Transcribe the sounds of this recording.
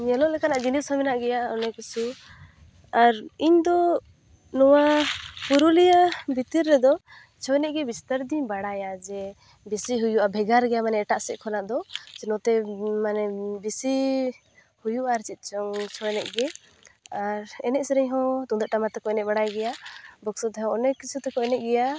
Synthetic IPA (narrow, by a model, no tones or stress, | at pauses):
ɲɛlɔʔlɛkanaʔd͡ʒinishɔmɛnaʔɡɛjaɔnɛkusu | aɾiɲd̪ɔ | nɔwapuɾulijabʱit̪iɾːɛd̪ɔ | t͡ʃʰɔwɛnɛʔ̚ɡɛbist̪əɾd̪iɲbaɽajad͡ʒɛ | bisiɦujuʔabʱɛɡaɾɡɛjamanɛːʈaʔsɛʔkʰɔnaʔd̪ɔt͡ʃɛnɔt̪ɛmanɛbisi | hujuʔaɾt͡ʃit̪̚t͡ʃɔŋt͡ʃʰɔwɛnɛʔ̚ɡɛ | aɾɛnɛʔ̚sɛɾɛɲɦɔ̃t̪ud̪aʔʈamat̪ɛkɔɛnɛbaɽajɡɛjabɔksɔt̪ɛɦɔ̃ɔnɛkit͡ʃʰut̪ɛkɔɛnɛʔ̚ɡɛja